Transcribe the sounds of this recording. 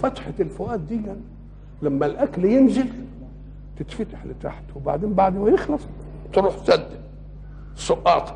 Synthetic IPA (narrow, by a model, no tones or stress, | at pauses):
fat̪ħalfʊʔaːt̪̚d̪ɪjːan | lamːalʔakljɪnzɪl | t̪ɪt̪fat̪ḁħlɪt̪a̰ːħt̪wɪbaʕd̪eːmbaʕd̪wajɪxlɑsˤ | t̪ɾuːħsad̪ː | sˤʊʔɑ̰ːt̪